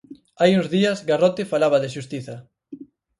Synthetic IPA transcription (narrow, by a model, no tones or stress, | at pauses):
ajuŋzðiɐzɡarɔt̪ɪfalaβɐðɪʃ̬ust̪iθɐ